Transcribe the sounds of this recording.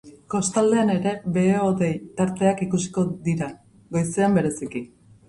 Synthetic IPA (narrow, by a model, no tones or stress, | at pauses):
ko̞st̪ald̪e̞ane̞ɾe̞be̞oðejt̪aɾt̪e̞akikusi̥ko̞ðiɾa | ɡo̞jse̞ambe̞ɾe̞siki